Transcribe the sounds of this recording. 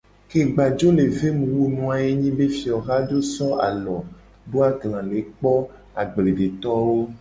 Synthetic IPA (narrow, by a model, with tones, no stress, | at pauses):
ke˨ɡ͡ba˨d͡ʒo˦le˨ve˦mũ˨wu˦nũ˨a˨je˦ɲĩ˦be˦fi˨ɔ˨ɣa˦d͡ʒo˦sɔ˦a̰˨lɔ˨ | ɖo˦a˦ɡlã˨le˨k͡pɔ˦ | a˨ɡ͡ble˨ɖe˨t̪ɔ˦wo˦